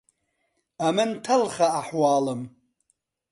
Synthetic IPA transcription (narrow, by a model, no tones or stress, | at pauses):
amɨntʰalχaːħwaːlɨm